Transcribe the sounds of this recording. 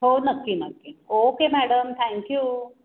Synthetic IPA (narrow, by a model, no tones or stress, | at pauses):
ɦonəkːinəkːiokemæɽəmt̪ʰɛ̃ŋkju